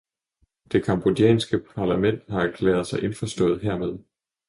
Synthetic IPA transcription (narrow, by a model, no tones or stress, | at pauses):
d̥e̝kʰɑ̈mb̥o̝d̥jɛ̰ːnsɡ̥əpʰɑ̈læmen̰d̥hɑ̈ækʰlɛːɐð̞ˠsɑ̈ɪʔe̝nfɒsd̥ɔ̽ːð̩ˠɦeɐ̰með̞ˠ